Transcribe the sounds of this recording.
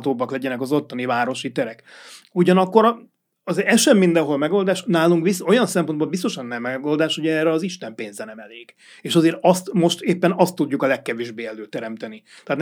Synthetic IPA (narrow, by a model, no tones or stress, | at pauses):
t̪oːbɒklɛɟɛnɛkɒzo̞t̪ːɒnivaːɾo̞ʃit̪ɛɾɛkuɟɒnɒkːo̞ɾ | ɒzɛʃɛmːind̪ɛnɦo̞lmɛɡo̞ld̪aːʃnaːluŋkbiso̞jɒnsɛmpo̞nbolbis̬t̪o̞ʃɒnːɛmːɛɡo̞ld̪aːʃhoɟɛːrɛɒziʃt̪ɛmpeːnzɛnɛmɛleːɡ̥ | eːʃɒzeːɾɒst̪mo̞ʃt̪eːpːɛnɒst̪ːuɟːukɒlɛkːɛveːʒbeːɛløːt̪ːɛɾɛmt̪ɛni | t̪ɛɦːt̪n